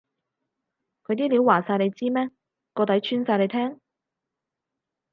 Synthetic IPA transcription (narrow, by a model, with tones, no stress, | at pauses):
kʰɵ˧ɥt̪̬iː˥liː˨˥waː˨˩saː˧jle˨˧jt͡siː˥mɛː˥ | kɔː˧t̪ɐ˨˥jt͡ʃʰyː˥nsaː˧jle˨˧jt̪ʰɛː˥ŋ